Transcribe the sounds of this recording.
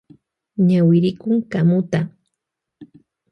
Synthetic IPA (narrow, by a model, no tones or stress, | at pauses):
ɲawɪɾɪkʊŋkamʊt̪a